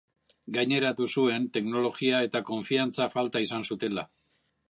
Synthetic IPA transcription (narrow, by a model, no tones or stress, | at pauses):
ɡajɲe̞ɾat̪usue̞nt̪e̞kno̞lo̞ɣiae̞t̪ako̞ɱfiant͡safalt̪aisansut̪e̞la